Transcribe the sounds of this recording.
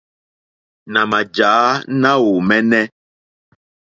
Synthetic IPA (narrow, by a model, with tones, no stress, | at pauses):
nã˨ma˨d͡ʒa˨˦nã˦wo˨mɛ˦nɛ̃˦